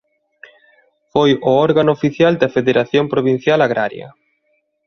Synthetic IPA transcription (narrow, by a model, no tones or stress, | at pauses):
fojʊɔɾɣanʊofiθjald̪ɐfeðeɾaθjompɾoβin̟θjalaɣɾa̰ɾjɐ̰